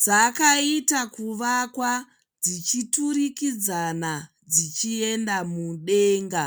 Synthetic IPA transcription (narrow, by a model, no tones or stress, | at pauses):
d͡zakaitakuʋakwa | d͡zit͡ʃituɾikid͡zana | d͡zit͡ʃie̞ndamuɗe̞ːŋɡa